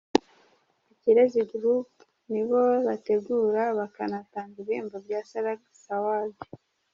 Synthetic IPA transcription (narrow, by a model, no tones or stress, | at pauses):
iciɾeziɡuɾup | niβoβate̞ɡuɾaβakanataːŋɡiβiːmvabɟaːsaɾaɡsawabe̥